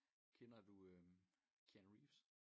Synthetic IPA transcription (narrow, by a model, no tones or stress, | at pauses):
kʰenɐduøm | kʰænʁḭːfs